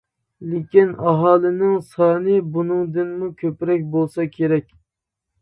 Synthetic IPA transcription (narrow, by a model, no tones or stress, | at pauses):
lekʲinɑɦɑːlˠɨnɪŋsɑːnɨbunɨŋd̪ɨnmukʲʰøpɪɾɛk̚ʲbolˠsɑkʲʰeɾɛkʲ